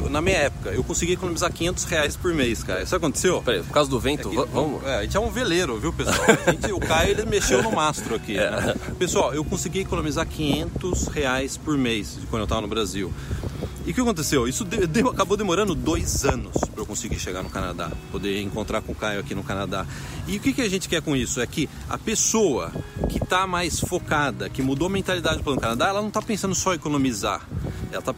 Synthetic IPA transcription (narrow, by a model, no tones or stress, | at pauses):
nɐmĩɲɐɛpʊ̥kɐewkõsiɡijekonõmizakʲĩɲẽnt̪ʊ̥sheajspoɾmejska̰jʊsabɐkõt̪e̥sewpeɾejpʊɾkazʊd̪ʊvẽnʊvɐ̃vɐ̃mʊ̰ɛaʒẽt͡ʃɛũveleɾʊviwpesuawwaʒẽt͡ʃɪʊkajʊelɪmeʃewnʊmast̪ɾʊakinɛɛpesuawewkõsiɡiekonõmizaɾkʰĩɲẽnt̪ʊsheajspʊɾmejsd͡ʒɪkɐ̃nd̪ewt̪avɐnʊbɾaziw | ɪʊkɪakõt̪̬esewisʊd̪ed̪eakabowd̪emoɾɐ̃nd̪ʊd̪ojzɐ̃nʊspɾewkõsɪɡiʃeɡaɾnʊkana̰d̪a̰pod̪eɾẽkõnt̪ɾaɾkõkajʊakinʊkanad̪a | ɪʊkɪkɪɐʒẽnt͡ʃɪ̥kɛɾkõisʊɛkɪ | ɐ̰pesoɐ̰kɪt̪amajsfokad̪ɐkɪmud̪owɐmẽnt̪alid̪ad͡ʒɪpɐ̃nʊkanad̪aɛlɐnɐ̃w̃t̪apẽsɐ̃nd̪ʊsɔɐekonõmiza̰ɛlɐt̪a